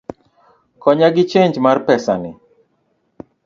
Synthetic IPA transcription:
kɔɲaɡɪt͡ʃeɲd͡ʒmarpɛsa̰nɪ

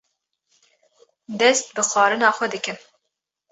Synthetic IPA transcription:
d̪ɛst̪̚bɨxʷɑːɾɨnɑːxʷɛd̪ɨkɨn

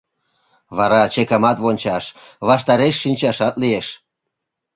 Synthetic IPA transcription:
βɑɾɑt͡ɕekɑmɑt̪βonʲt͡ɕɑʃ | βɑʃt̪ɑɾeʃːinʲt͡ɕɑʃɑt̪lieʃ

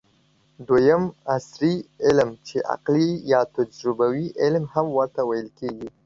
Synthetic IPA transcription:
d̪wajamasɾiɪlmt͡ʃeʔa̰qlijɑt̪ad͡ʒɾʊbawiʔɪlmhamwəɾt̪awajəlkeɡi

